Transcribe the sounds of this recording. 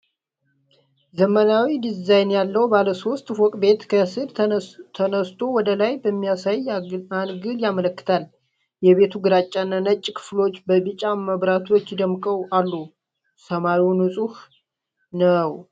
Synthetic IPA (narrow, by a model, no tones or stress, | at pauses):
zəmənawid̪izajnjalːəwbaləso̞st̪ʼwɔkʼbe̞t̪kʰəsɨd̪t̪ʰənəst̪ʰo̞wɔd̪əlajbəmːijasajanɡɨljamələkːɨ̥t̪ʰal | jɛβe̞t̪ʰuɡɨɾat͡ʃʼːanːanət͡ʃʼːkʰɨ̥flo̞t͡ʃːbəbɨt͡ʃʼaməβɾat̪ʰo̞t͡ʃːɪd̪əmkʼəwʔalːu | səmaɾiwnɨsʼuh | nəw